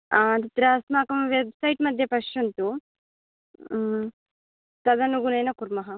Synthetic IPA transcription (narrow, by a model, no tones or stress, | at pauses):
aːt̪it̪ɾaɐsmaːkɐmʋebsɐjʈmɐd̪ʱjɐpɐʂjɐnt̪u | t̪ɐd̪ɐnuɡunejnɐkuɾmɐɦɐ